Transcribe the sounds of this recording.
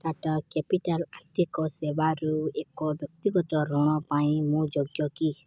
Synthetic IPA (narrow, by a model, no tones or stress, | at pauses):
tatɔkɛpiʈalat̪ikɔsebaɾuekɔbjɔkt̪iɡɔtɔɾɔɽ̃ɔ̃paĩmũd͡ʒɔɡjɔki